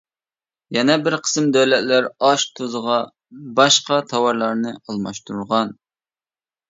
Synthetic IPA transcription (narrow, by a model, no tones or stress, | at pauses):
jɛnɛbɪɾqʰə̥sɨmd̪øwlɛt̪læɾɑʃt̪ʰozəʁɑ | bɑʃqɑt̪ʰɑwɑɾlˠɑɾnɨɑlˠmɑʃt̪uɾuɾʁɑn